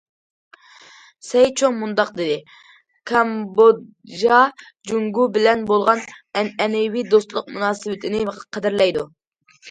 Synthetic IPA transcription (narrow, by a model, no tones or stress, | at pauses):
sɛjt͡ʃʰoŋmund̪ɑqd̪ɪd̪ɪ | kʰɑmbo | ʒɑ | d͡ʒuŋɡubɪlɛnbolˠʁɑnɛnɛnɛwid̪ost̪lˠʊq̚munɑːsɪwɪt̪ʰɪnɪqʰɛd̪ɪɾlɛjd̪u